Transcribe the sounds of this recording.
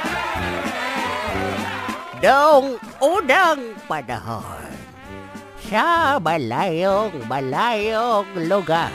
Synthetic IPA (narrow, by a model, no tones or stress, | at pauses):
dəʊŋ | udaŋpada̰ɦɔ̰ | sabalajɔŋbalajoŋluɡa